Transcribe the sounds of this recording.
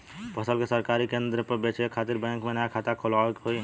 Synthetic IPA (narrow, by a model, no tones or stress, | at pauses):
pəsəlkesəɾkaːɾikẽnd̪ɾəpəɾbet͡ʃekʰaːt̪iɾbɛ̃ːŋkmẽnaakʰaːt̪akʰolaekɦoi